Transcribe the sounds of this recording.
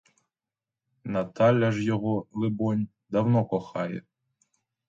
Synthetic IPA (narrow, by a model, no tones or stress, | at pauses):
nɐt̪ɑlʲɐʒjɔɦɔlˠɪbɔnʲ | d̪ɐwnɔkɔxɑjɛ̰